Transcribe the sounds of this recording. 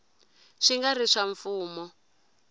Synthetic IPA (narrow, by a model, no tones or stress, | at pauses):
ʂiŋɡariʂaɱfuːmɔ